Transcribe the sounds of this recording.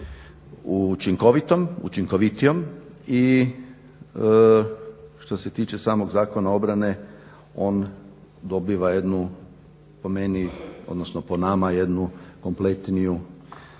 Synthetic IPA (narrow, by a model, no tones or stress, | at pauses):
ut͡ʃiŋko̞ʋit̪o̞mṵt͡ʃiŋko̞ʋit̪ijom | i | ʃt̪o̞se̞t̪iːt͡ʃe̞saːmo̞ɡzaːko̞nao̞bɾane̞ | o̞ːn | d̪o̞biʋaje̞d̪nu | pome̞nio̞̰d̪nosnoponamaje̞d̪nuko̞mple̞t̪niju